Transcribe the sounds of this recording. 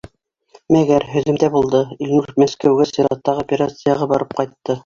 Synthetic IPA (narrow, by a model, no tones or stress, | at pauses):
mæɡæɾɦɵ̆ðɘ̆md̪æbulˠd̪ɤilʲnuɾmæskæwɡæsiɾɑ̰t̪ːɑʁopʲeɾat̪sɨjɑʁɑbɑɾɤp̚qɑjt̪ːɤ